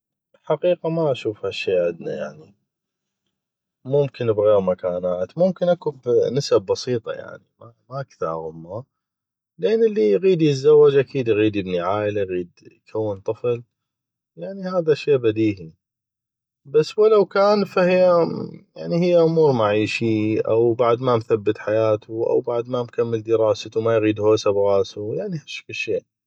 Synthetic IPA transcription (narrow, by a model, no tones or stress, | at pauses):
ħaqiːqamaʔaʃuːfhaʃːeːʕɪd̪na̰ja̰ʕni | mʊmkɪnbɣeːɾmakaːnaːt̪mʊmkɪnʔakubnɪsab̚ːɑsiːt̪ˤɑ̰ja̰ʕnimamaʔakθɑ̰ɾˤɣʊmːa | lʔeːnːʔɪlːiɣiːd̪jɪt̪zawːad͡ʒʔakʰiːd̪jɣiːd̪ɪbniʕaːʔlajɣiːd̪jkʰawːɪnt̪ˤɨfl | jaʕnihaːðaʃeːʔbad̪iːhi | basːwalawkaːnfahɪjːajaʕnihɪjːaʔʊmuːɾmaʕiːʃiʔa̰wbaʕd̪mamθabːɪt̪ħajaːt̪ʰuʔa̰wbaʕd̪mamkamːɪld̪əɾɑːsat̪umajɣiːd̪hoːsabɣɑːsujaʕnihaʃfəʃːeːʔ